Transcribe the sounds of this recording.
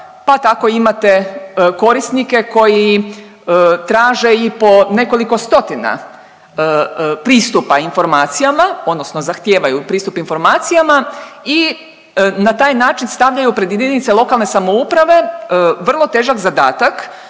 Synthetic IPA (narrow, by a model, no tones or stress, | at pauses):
pat̪ako̞imat̪e̞ko̞ɾisnike̞ko̞ji | t̪ɾaːʒe̞ipo̞ne̞ko̞liko̞st̪o̞t̪ina̰ | pɾiːst̪upainfo̞ɾmaːt̪sijamaod̪nosnozaxt̪jeːʋajupɾiːst̪upinfo̞ɾmaːt̪sijamai | nat̪aːjnaːt͡ʃinst̪aʋʎajupɾed̪ʋid̪ʲenit̪selˠo̞kalne̞samoupɾaʋe̞ʋr̩lˠo̞t̪eːʒakzad̪aːt̪ak